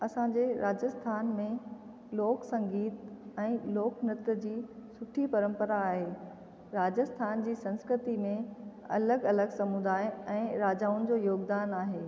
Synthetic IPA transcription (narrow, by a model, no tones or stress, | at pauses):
ɐsãd͡ʑeɾʔaːd͡ʑəst̪ʰaːnmẽ | loːksɐ̃ŋɡiːt̪ɛ̃ːloːknət̪̆d͡ʑiːsʊʈʰipɐɾə̃mpəɾaːɦeː | ɾaːd͡ʑəst̪ʰaːnd͡ʑiːsɐ̃nskɾɪt̪imẽɐ̰ləɡɐləɡsɐmud̪aːɪɛ̃ːɾaːd͡ʑaːʊnɪ̆d͡ʑoːjoːɡd̪aːnaːɦeː